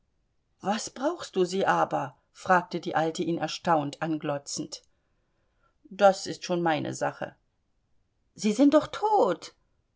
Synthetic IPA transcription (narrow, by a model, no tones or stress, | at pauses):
v̥asb̥ʁaʊxst̚d̥uːziːʔaːbɐ | fʁ̥aːk̚tədiːʔaltəʔiːnɛɐʃtaʊntʔanɡlɔt͡sn̩t | d̥asɪstʃoːnmaɪnʔə̰zaχə̰ | z̥iːzɪnt̚d̥ɔχtʰoːt